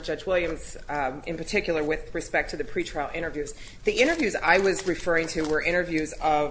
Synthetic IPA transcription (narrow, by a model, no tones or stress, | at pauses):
d͡ʒʌd͡ʒwɪlˠjɨ̃mz | ɨ̰̃npə˞tʰɪkjl̩ˠə˞wɪð̥ɹɨspɛk̚tʰɨðɨpʰɹ̥itʰɹ̥oɪlˠɪ̃ɾ̃ə˞vjʉz | ðiɪ̃ɾ̃ə˞vjʉza̰ɪwʌzɹɨfɜ˞ɪ̃ŋtʰɨwə˞ʔɪ̃ɾ̃ə˞vjʉzʌ